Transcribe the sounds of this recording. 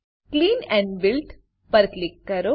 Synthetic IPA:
kliːnɛ̃ɳɖbɪlʈ | pəɾklikːɐɾo

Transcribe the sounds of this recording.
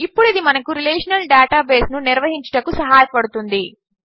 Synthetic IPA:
ipːuɽid̪imɐnɐkuɾileːʂɐnɐlɖaːʈaːbeːsnuniɾʋɐɦiɲt͡ʃɐ̥ʈɐkusɐɦaːjɐpɐɽut̪und̪i

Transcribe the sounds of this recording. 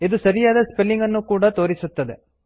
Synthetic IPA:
id̪usɐɾijaːd̪ɐspelːiŋɡɐnːukuːɽɐt̪o̞ːɾisut̪ːɐd̪e̞

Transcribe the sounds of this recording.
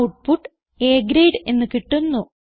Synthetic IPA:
uʈ̚puʈː | eːɡɾejɖe̞nːɨkiʈːunːu

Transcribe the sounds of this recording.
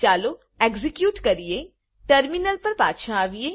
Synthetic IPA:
aːlo | ɛːɡzɪkjuːʈkɐɾie | ʈəɾminəlpɐɾpa̰ːt̪ʃãaːʋieː

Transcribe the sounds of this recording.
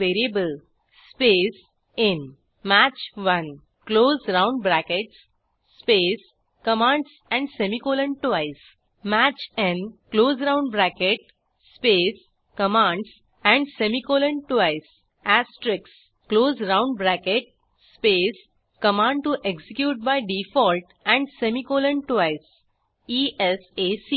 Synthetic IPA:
ʋeːɾiebəl | speːs | ɪ̃n | mæt͡ʃʋɐ̃n | kloːzɾãʊ̃ɳɖbɾækeʈs | speːs | kəmãɳɖs | ɛ̃ɳɖsemikoːlə̃ɳʈʋaɪs | mæt͡ʃẽnkloːzɾãʊ̃ɳɖbɾækeʈ̚ | speːs | kəmãɳɖs | ɛ̃ɳɖsemikoːlə̃ɳɖʈʋaɪs | æsʈɾɪks | kloːzɾãʊ̃ɳɖ̚bɾækeʈ̚ | speːs | kəmãːɳɖ̚ʈuʔeksikjuːʈ̚baɪɖifɔːlʈ | ɛ̃ɳɖsemikoːlə̃ɳʈaɪs | iʔesesiː

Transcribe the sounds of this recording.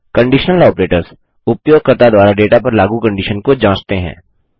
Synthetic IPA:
kɐ̃ɳɖiːʃnəlɔːpɾeːʈəɾz | ʊpjoːɡ̚kəɾt̪ad̪waːɾaɖeːʈapɐɾlaːɡukə̃ɳɖiːʃənkod͡ʒãːt͡ʃt̪eɦɛ̰̃ː

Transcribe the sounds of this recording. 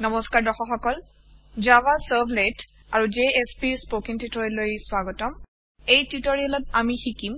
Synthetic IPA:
nɔmɔskaɹdɔxɔxɔkɔl | d͡ʒabasabʱlet | aɹud͡ʒeespispokiŋtitɔɹilojswaɡɔtɔm | ejtitɔɹiɛlɔtamixikim

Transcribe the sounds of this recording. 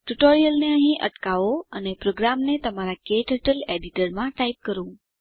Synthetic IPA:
ʈuʈoɾijəlneəɦĩʔə̰ʈkaʋoənepɾoɡɾamnet̪əmaɾakeʈəʈəleɖiʈəɾmãʈaip̚kəɾũ

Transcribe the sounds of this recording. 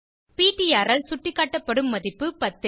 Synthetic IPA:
piːʈːijaːɾɐlsʊʈːɪkːaːʈːɐpːɐɽɯmːɐðɪpːɯpɐt̪ːɐ

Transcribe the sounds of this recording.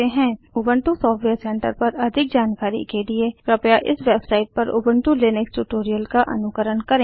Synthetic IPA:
eɦɛ̃ | ʊbə̃ɳʈusɔːfʈʰʋeːɾsɛ̃ːɳʈə̰ɾpɐɾɐd̪ʱɪk̚d͡ʒaːnkaːɾḭkeliekɾɐpjaʔɪ̰sʋeːbsaːɪʈ̚pɐɾʊ̰bə̃ɳʈuleːneksʈuʈoːɾijəlkaʔɐ̰nʊkəɾənkɐɾẽː

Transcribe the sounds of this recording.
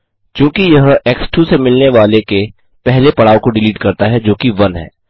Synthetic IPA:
kjũːkijɐɦɛːksʈusemɪlneʋaːleke | pɛɦlepɐɽaːokoɖɪliːʈkɐɾt̪aɦɛd͡ʒoːkiʋɐnɦɛ̰ː

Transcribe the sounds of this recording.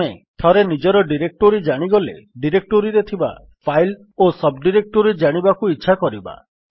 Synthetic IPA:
et̪ʰɔɾenid͡ʒɔɾɔɖiɾek̚ʈoɾid͡ʒaɽ̃iɡɔlḛɖiɾek̚ʈoɾiɾet̪ʰiba̰ | pʰajl | osɔbɖiɾek̚ʈoɾid͡ʒaɽ̃ibakuitːʃʰakɔɾiba̰

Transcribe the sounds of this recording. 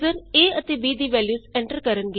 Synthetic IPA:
əɾeːət̪eːʋiːd̪iːʋɛːljuːsẽɳʈəɾkəɾənɡe

